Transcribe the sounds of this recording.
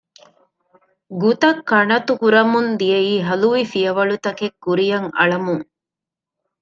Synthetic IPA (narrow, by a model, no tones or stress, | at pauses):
ɡut̪ɐkːɐɳɐt̪ukuɾɐmund̪ijeiːɦɐluʋifiɐʋɐɭut̪ɐkekːuɾijɐŋɐ̰ɭɐmuŋ